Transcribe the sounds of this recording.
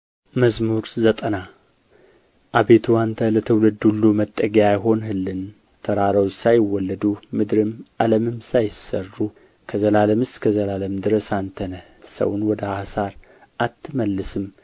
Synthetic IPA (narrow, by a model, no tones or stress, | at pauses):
məzmuɾzət̪ʼəna | ʔaβe̞t̪ʰuant̪ʰələt̪ʰəwlɨd̪ulːumət̪ʼːəɡjajɦo̞nɦɨlːɨn | t̪ʰəɾaɾawd͡ʒsajɪwːɔlːəd̪umɨd̪ɾɨmʔaləmɨmsajɪsərːu | kʰəzəlaləmɨst̪kʰəzəlaləmd̪ɨɾəsant̪ʰənə | sə̰wʊnwɔd̪əhasaɾ | ʔat̪ʰːɨməlːɨsɨm